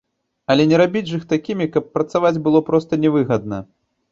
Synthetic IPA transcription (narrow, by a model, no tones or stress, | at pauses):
ɐlʲɛnʲɛɾabʲid͡zʲʐɨxt̪akʲimʲikɐpːɾɐt̪savad͡zʲbɨlˠɔpɾɔst̪ɐnʲɛvɨɣɐd̪̚nɐ